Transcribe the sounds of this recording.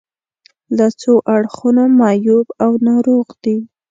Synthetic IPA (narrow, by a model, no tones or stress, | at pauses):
lat͡soʔaɽxunomɑjubawnaɾoɣd̪i